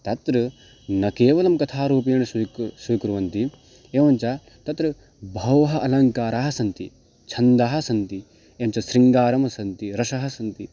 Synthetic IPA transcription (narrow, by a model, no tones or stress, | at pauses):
t̪ɐt̪ɾɐ | nɐkeːʋɐlɐmkɐt̪ʰaːɾuːp̬ijɐɳɐssujkɾuʋɐnt̪i | eːʋɐnt͡ʃɐ | t̪ɐt̪ɾɨ | bʱɐwɐɦɐʔɐlɐŋkaːɾaːɦɐsɐnt̪i | t͡ʃʰɐnd̪aːɦɐsɐnt̪i | eːʋɐmt͡ʃɐsɾiŋɡaːɾɐmɐsɐnt̪iɾɐʃɐɦɐsɐnt̪i